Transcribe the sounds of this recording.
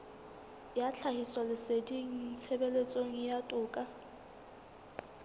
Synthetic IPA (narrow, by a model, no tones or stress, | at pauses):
jat͡ɬʰahiswalɪsediŋ̩t͡sʰebelet͡sʼoŋ̩jatʼʊːkʼa